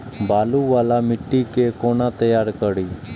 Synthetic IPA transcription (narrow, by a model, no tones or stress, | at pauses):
baːluʋaːlamɪʈːikekoːnat̪əjaːɾkəɽiː